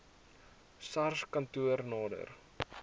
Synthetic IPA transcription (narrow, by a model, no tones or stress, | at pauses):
sɐrskɐntuərnɑːdə̰r